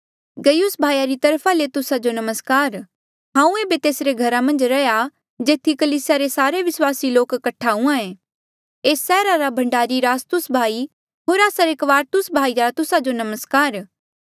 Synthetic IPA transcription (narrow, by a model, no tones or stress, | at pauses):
ɡɐjʊsbʱaːijaɾit̪ɐɾpʰalet̪ʊsad͡ʒonɐməskaːɾ | ɦãːũeːbet̪eːsɾeɡʱɐɾamɐ̃nd͡ʒɾɐja | d͡ʒeːt̪ʰːikɐliːsɪjaɾesaːɾeʋɪswaːsiloːkːɐʈʰaɦũãẽː | eːsɛːɾaɾabʱɐ̃ɳɖaːɾiɾaːst̪ʊsbʱaːi | ɦoːɾaːsaɾekʋaːɾt̪ʊsbʱaːiɾat̪ʊsad͡ʒonɐməskaːɾ